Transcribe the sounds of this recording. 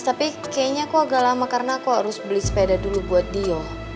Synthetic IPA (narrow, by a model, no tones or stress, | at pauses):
t̪apikajaɲakoaɡalamakarənakoɦaɾʊsbəlɪspedadulubuat̪̚diɔ